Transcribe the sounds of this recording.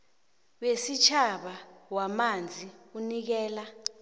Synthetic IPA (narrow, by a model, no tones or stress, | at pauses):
wesit͡ʃʰaɓawamand͡zʱiunik̬ɛːla